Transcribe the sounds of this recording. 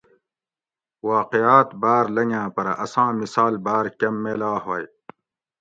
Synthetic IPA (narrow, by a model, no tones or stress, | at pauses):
waːqijaːt̪baːɾlɐŋãːpɐɾʔɐsãːmisaːlbaːɾkɐmːeːlaːɦoːj